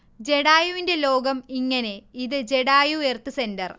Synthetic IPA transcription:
d͡ʑe̞ɽaːjuʋinde̞lo̞ːɡɐmiŋːɐne̞iðɨd͡ʑe̞ɽaːjuert̪ɨse̞ndɐr

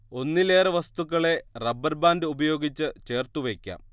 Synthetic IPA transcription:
o̞nːile̞ːrɐʋɐst̪ukːɐɭe̞rɐbːɐrbaːndɨubɐjo̞ːɡit͡ɕːɨt͡ɕe̞ːrt̪uʋekʲːa̰ːm

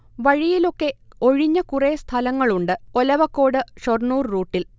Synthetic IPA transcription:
ʋɐɻijilo̞kːe̞o̞ɻiɲːɐkurest̪ʰɐlɐŋːɐɭuɳɖɨolɐʋɐkːo̞ːɽɨɕornuːrruːʈːil

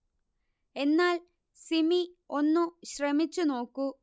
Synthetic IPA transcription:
e̞nːaːl | simio̞nːuɕrɐmit͡ɕːuno̞ːkːu

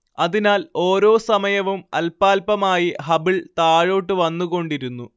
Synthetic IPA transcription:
ɐðinaːlo̞ːɾo̞ːsɐmɐjɐʋumɐ̰lpaːlpɐmaːjiɦɐbiɭt̪aːɻo̞ːʈːɨʋɐnːuɣo̞ɳɖiɾunːu

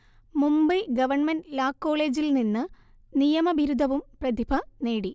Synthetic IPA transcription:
mumbɐɡɐʋɐɳmɐnlaːkːo̞ːɭe̞ːd͡ʑilninːɨ | nijɐmɐbʱiɾud̪ʱɐʋumprɐd̪ibʰʱɐne̞ːɽi

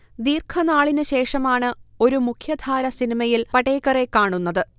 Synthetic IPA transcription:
d̪iːrkʰɐnaːɭinɨɕe̞ːʂɐmaːɳɨo̞ɾumukʰjɐd̪ʱaːɾɐsinimɐjilpɐʈeːkːɐrekaːɳunːɐðɨ

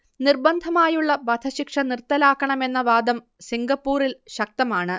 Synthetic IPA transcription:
nirbɐnd̪ʱɐmaːjuɭːɐbɐd̪ʰʱɐɕikʂɐnirt̪ːɐlaːkːɐɳɐme̞nːɐʋaːd̪ɐm | siŋɡɐpːuːɾilɕɐk̚t̪ɐmaːɳɨ

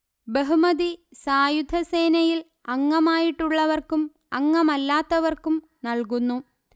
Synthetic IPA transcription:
beɦumɐðisaːjud̪ʱɐseːnɐjil | ɐŋːɐmaːjiʈːuɭːɐʋɐrkum | ɐŋːɐmɐlːaːt̪ːɐʋɐrkum | nɐɭkunːu

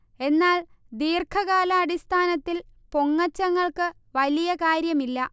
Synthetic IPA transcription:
e̞nːaːl | d̪iːrkʰɐɣaːlɐːɽist̪ʰaːnɐt̪ːil | po̞ŋːɐt͡ɕːɐŋːɐɭkɨ | ʋɐlijɐkaːɾjɐmilːɐ

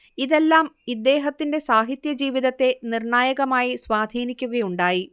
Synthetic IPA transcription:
iðe̞lːaːmid̪ːe̞ːɦɐt̪ːinde̞saːɦit̪jɐd͡ʑiːʋiðɐt̪ːe̞nirɳaːjɐɣɐmaːjisʋaːd̪ʱiːnikʲːuɣɐjuɳɖaːji

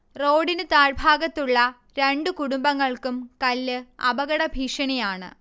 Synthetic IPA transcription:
ro̞ːɽinɨt̪aːɻbʱaːɡɐt̪ːuɭːɐ | ɾeɳɖukuɽumbɐŋːɐɭkumkɐlːɨɐ̰bɐɣɐɽɐbʱiːʂɐɳijaːɳɨ̰

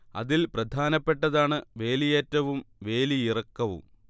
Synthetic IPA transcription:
ɐ̰ðilprɐd̪ʱaːnɐpːe̞ʈːɐðaːɳɨʋe̞ːlijeːtːɐʋumʋe̞ːliirɐkːɐʋṵm

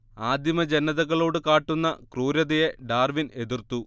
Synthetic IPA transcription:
aːd̪ʱjimɐd͡ʑenɐðɐɣɐɭo̞ːɽɨkaːʈːunːɐkruːɾɐðɐjeɖaːrʋine̞d̪irt̪u

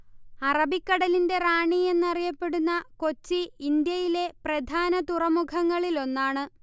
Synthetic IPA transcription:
ɐrɐbikːɐɽɐlinde̞raːɳie̞nːɐrijɐpːe̞ɽunːɐko̞t͡ɕːiind̪jɐjile̞prɐd̪ʱaːnɐt̪urɐmukʰɐŋːɐɭilo̞nːaːɳɨ

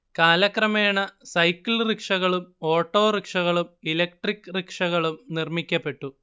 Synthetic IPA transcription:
kaːlɐkrɐmeːɳɐsɐjkːilrikʂɐɣɐɭumo̞ːʈːo̞ːrikʂɐɣɐɭumilɐk̚ʈrikːrikʂɐɣɐɭumnirmikʲːɐpːe̞ʈːu

